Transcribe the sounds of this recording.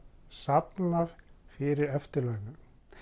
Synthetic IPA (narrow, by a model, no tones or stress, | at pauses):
sapnaɾ̥fɪɾɪɾɛft̪ɪɾlœɣnʏ